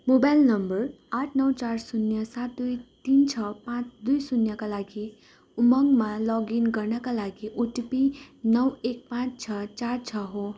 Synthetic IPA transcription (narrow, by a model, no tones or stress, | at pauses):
mobajlnʌmbʌr | aʈʰnʌwt͡sarsunjʌsat̪̚d̪ujt̪int͡sʰʌpãt͡sd̪ujsunjʌkalaɡi | umʌŋmalʌɡinɡʌrnʌkalaɡiʔuʈipinʌwek̚pãt͡st͡sʰʌt͡sart͡sʰʌɦo